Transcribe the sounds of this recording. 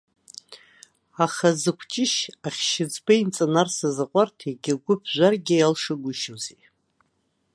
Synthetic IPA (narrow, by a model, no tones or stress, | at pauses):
aχazɨkʷʰt͡ʃʼɪʃaχʲʃɪd͡zbaint͡sʼanarsazaqʷʼartʰeɡʲɪɡʷʊpʰʒʷarɡʲɪjalʂɨɡʷʊʃozi